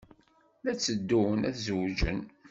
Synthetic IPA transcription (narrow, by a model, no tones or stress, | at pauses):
læt͡sːəd̪ːuwənæθzwd͡ʒə̰n